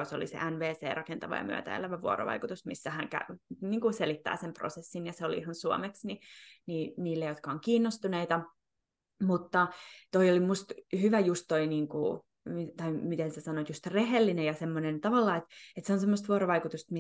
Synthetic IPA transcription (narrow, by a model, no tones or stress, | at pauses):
oso̰lḭsḛʔænʋeːsḛːrɑkent̪ɑʋɑ̰jɑ̰my̰ø̰t̪æ̰ḛlæʋæʋuo̰ɾo̰ʋɑ̰ikut̪usmisːæhæŋkæ̰niːŋkuselit̪ːæ̰ːsempro̰sesːinjɑseolḭihɑnsuo̰meksniniːniːlːejot̪kɑoŋkiːnːost̪uneit̪ɑ | mut̪ːɑt̪oiolimust̪hyʋæjust̪toiniːŋku | mit̪ɑimit̪ensæsɑnot̪just̪reɦelːinejɑsemːonent̪ɑʋɑlːɑːet̪et̪seonsemːost̪ʋuoɾoʋɑikut̪ust̪mi